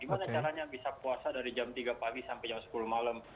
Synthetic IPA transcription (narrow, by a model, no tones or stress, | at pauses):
ɡimanat͡ʃaɾaɲabisapuasadaɾid͡ʒamt̪iɡapaɡisampajaŋsə̥kulumalam